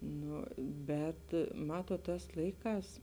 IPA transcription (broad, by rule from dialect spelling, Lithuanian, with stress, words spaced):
ˈnʊ ˈbʲɛt ˈmɑːtuɔt ˈtɑːs ˈlˠɐɪˌkɑːs